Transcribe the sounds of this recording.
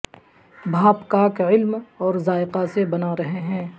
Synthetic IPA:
bʱaːpkaːkːɪlmɔːɾzaːɪqasebɐnaɾɐɦeɦɛ̃ː

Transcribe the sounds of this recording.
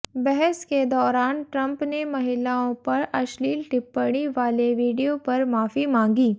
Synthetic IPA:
bɛɦɛsked̪ɔːɾaːnʈɾɐ̃mpnemɐɦɪlaːõpɐɾɐʃliːlʈɪpːəɽ̃iʋaːleʋiːɖijopɐɾmaːfimãːŋ̆ɡiː

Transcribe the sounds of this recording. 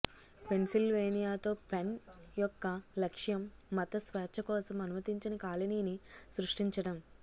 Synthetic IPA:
pe̞nsilʋeːnijaːt̪o̞ːpenjɔkːɐlɐkʂjɐmː | ɐt̪ɐsʋɛːt͡ʃʰɐkɔːsɐmɐnumɐt̪iɲt͡ʃinɐkaːlɐniːnisɾuʂʈiɲt͡ʃɐɽɐm

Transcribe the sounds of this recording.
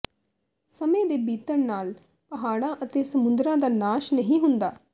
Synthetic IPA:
səmẽːd̪eːbiːt̪əɾnaːl | pəɦaːɽãːʔət̪eːsəmʊnd̪ɾãːd̪aːnaːʃnəɦĩːɦʊnd̪aː

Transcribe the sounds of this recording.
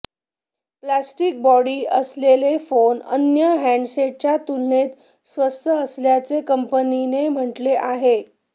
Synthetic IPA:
plasʈik̚bɔɽiːəslelefonə̰njəɦæ̃ɳɖɕeʈ̚t͡ɕjat̪ulnet̪ | sʋəst̪ʰəəsljat͡sekəmpəninem̤əʈleʔaɦe

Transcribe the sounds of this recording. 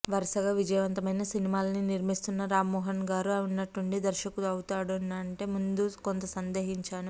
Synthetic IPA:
ʋɐɾɐsɐɡaːʋid͡ʒɐjɐʋɐnt̪ɐmɐjnɐsinimaːlɐniniɾmist̪unːɐɾaːmːɔːɦɐnɡaːɾuɐunːɐʈːuɳɖid̪ɐɾʃɐkuluɐwut̪aːɽunɐɐɳʈe̞ːmund̪ukont̪ɐsɐnd̪eːɦiɲt͡ʃaːnu

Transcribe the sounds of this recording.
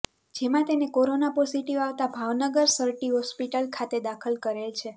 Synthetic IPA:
d͡ʒemãt̪enekoɾonapɔsiʈiʋaʋt̪abʱaʋnəɡəɾsəɾʈiɦɔspiʈəlkʰat̪ed̪akʰəlkəɾelt͡ʃʰe

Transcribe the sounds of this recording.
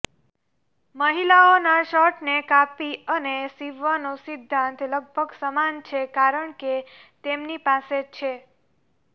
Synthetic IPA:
məɦilaonaʃɔʈnekapiənesiʋːənosid̪ʱːãnt̪ləɡ̚bʱəɡsəmant͡ʃʰekaɾəɳket̪emnipaset͡ʃʰe

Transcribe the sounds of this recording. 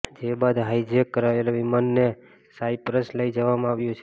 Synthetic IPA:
d͡ʒebad̪ɦaid͡ʒekːəɾaeloʋimanːe | saipɾəsləid͡ʒəʋamãaʋjũt͡ʃʰe

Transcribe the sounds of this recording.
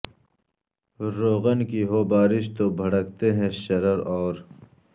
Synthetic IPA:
ɾoːɣənkiɦoːbaːɾɪʃt̪oːbʱɐɽəkt̪eɦɛ̃ʃɐɾəɾɔːɾ

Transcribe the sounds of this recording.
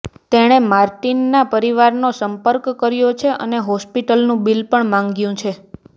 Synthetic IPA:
t̪eɽ̃emaɾʈinːapəɾiʋaɾnosəmpəɾkːəɾjot͡ʃʰeʔəneɦɔspiʈəlnũbilpəɳmãŋɡjũt͡ʃʰe

